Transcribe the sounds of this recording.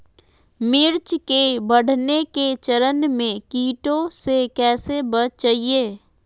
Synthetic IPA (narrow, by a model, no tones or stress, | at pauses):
mɪɾt͡ʃkebɐɽ̤neket͡ʃəɾənmẽkiːʈõsekɛːsebət͡ʃt͡ʃaːɦieː